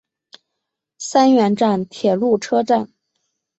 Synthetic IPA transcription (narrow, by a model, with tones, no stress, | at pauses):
sa˥nɥɛ˧˥nʈ͡ʂa˥˩nt̪ʰjɛ˨˩lu˥˩ʈ͡ʂʰɤ˥ʈ͡ʂa˥˩n